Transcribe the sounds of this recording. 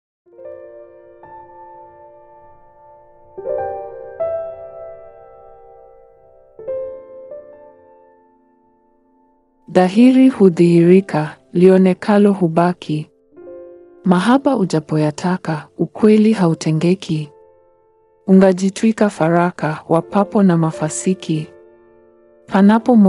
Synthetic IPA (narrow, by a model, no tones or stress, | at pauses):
ðaɦiɾihuðihiɾikʰaliɔnɛkʰalɔɦuɓakʰi | maɦapauʄapɔjatʰakaukwɛliɦautʰɛŋɡɛkʰi | uŋɡaʄitwikafaɾakawapapɔnamafasikʰi | pʰanapɔm